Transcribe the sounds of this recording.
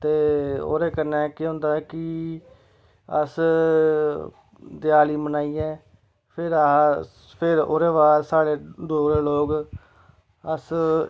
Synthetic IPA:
t̪eːo̰ːɾeːkənːɛːkɪɦõːnd̪aːɛkɪ | ə̰s | d̪ɪjaːliːmənaːiːɛː | pʰɪɾa | pʰɪɾo̰ːɾeːʋaːɾsaːɽeːd̪oːɾeːloːɡ | əs

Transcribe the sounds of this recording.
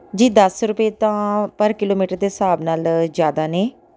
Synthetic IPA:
d͡ʒiːd̪əsɾʊpeːt̪ãːpəɾkɪloːmiːʈəɾd̪eːsaːbnaːld͡ʒjaːd̪aːneː

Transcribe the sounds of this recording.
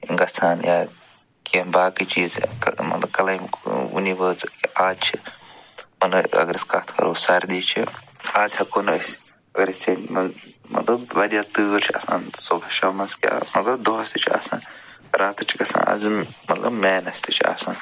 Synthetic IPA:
iŋɡɐsʰaːnjaː | kiɐnbaːkit͡ʃiːzkɐmɐ̰t̪lɐb̚kɐlajmṵniʋəːskiʔaːdt͡ʃʰi | mɐt̪lɐɐ̰ɡəɾiskɐt̪ʰkʰɐ̰ɾosɐɾʲd̪iːt͡ʃʰi | aːzhɐkonʋɐsʲ | ɐɡɐɾisenmɐmɐ̰t̪lɐbʋɐɾijaːt̪ɨːɾt͡ʃʰiɐ̰sã̰ːnsobɐʃɐmɐnskia̰mɐt̪lɐbd̪oɦɐsʲt̪ɨt͡ʃʰia̰ːsã̰ːn | ɾʔaːt̪ɨt͡ʃʰi̥kʲɐsã̰ːnɐ̰zmɐt̪lɐ̰bmeːnɐst̪ɨt͡ʃʰia̰ːsãːn

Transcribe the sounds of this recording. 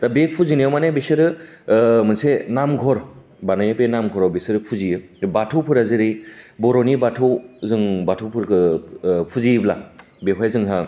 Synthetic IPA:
d̥abepʰuzinijamanebesɯɾɯ | mɯnsenamɡʱɔɾ | banajapenamɡʱɔɾawbesɯɾɯpʰuzijɯ | batʰɔwpʰɯɾazɯɾibɔɾɔnibatʰɔwzɯŋbatʰɔwpʰɯɾkʰɯpʰuzibla | beɦwajzɯŋɦa

